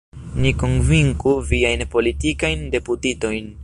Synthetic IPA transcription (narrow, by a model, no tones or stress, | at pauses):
niko̞nviŋkuviajnpo̞litikajnde̞putito̞jn